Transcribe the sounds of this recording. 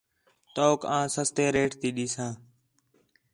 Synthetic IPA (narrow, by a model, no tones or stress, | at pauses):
t̪oːkãːsəst̪eːɾeːʈt̪iːɗiːsãː